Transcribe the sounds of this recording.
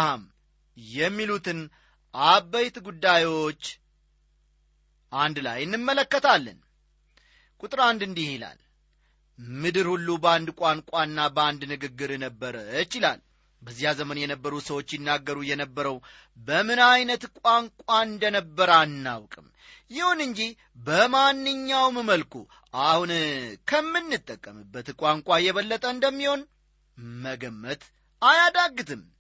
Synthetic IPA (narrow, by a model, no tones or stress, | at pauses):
ham | jɛmːilut̪ʰɨn | ʔabəjt̪ɡud̪ːajwo̞t͡ʃː | ʔand̪la̰jɨnːɨmːələkːət̪ʰalːə̰n | kʼut̪ʼɨɾand̪ɨnd̪ihila̰l | mɨd̪ɨɾhulːubəand̪kʼankʼaɨnːabəand̪nɨɡɨɡːɨɾnəbːəɾət͡ʃɪla̰l | bəzijazəmənjɛnəbːəɾusəwo̞t͡ʃːjɪnːaɡːəɾujɛnəbːəɾəw | bəmɨnajnət̪kʷʼaŋkʷʼaɨnd̪ənəbːəɾanːa̰wkʼɨm | jɪhunɨɲd͡ʒih | bəmanːɨɲːawməməlkʰu | ʔahunkʰəmːɨnːɨt̪ʼːəkʼːəmɨbːət̪kʷʼaŋkʷʼajɛβəlːət̪ʼəɨnd̪əmːiho̞n | məɡəmːət̪ | ajad̪aɡːɨt̪ʰɨm